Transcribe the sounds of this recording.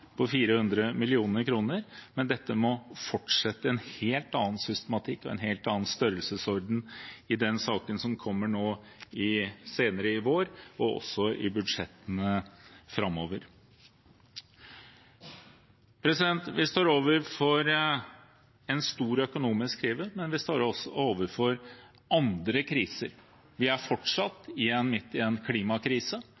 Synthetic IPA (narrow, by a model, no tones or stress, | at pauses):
pʰɔfiːɾəhʉnd̪ɾəmɪlɪuːnəɾkʰɾuːnəɾmɛnd̪ɛt̪ːəmɔfɔʈʂɛt̪ːəɛnheːlt̪ɑːnsʏst̪əmɑt̪ʰɪkːɔɛ̰nɦeːlt̪ɑːənst̪œɾəlsəsɔɾɖ̪n̩ɪd̪ɛnsɑːkənsɔmkʰɔmːəɳoː | ɪseːnəɾəɪʋoːɾɔɔ̰sɔʔɪbʉd̪ʂɛt̪ːənəfɾɑmːoːʋəɾ | pʰɾɛsɪd̪ɛnt̪ʋɪst̪oːɾoːʋəɾfɔɾ | ɛnst̪uːɾœkʊnuːmɪskkʰɾiːʋəmɛnʋɪst̪oːɾɔsːɔoːʋəɾfɔɾ | ɑnd̪ɾəkʰɾiːsəɾ | ʋɪæɾfɔʈʂɑt̪ːɪɛnmɪt̪ːɪɛnkʰliːmɑkʰɾiːsə